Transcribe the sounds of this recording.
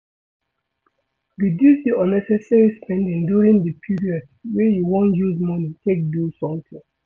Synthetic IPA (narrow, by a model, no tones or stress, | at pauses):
didutiɔnɛsɛsɛɹispɛ̃ndĩŋduɹĩŋdəpʰiɹiɔd | wejuwõntjuzmɔnitʰek̚dulsɔ̃mtɪ̃ŋ